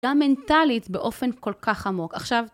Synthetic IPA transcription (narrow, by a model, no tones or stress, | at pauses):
amentalitbeʔo̞fe̞nko̞lkaχhamo̞kaχʃav